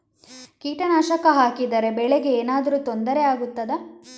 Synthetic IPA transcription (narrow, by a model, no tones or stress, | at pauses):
kiːʈɐnaːʃɐkɐɦaːkid̪ɐɾe̞bɛɭeɡe̞eːnaːd̪ɐɾuːt̪ond̪ɐɾeaːɡut̪ːɐd̪ɐ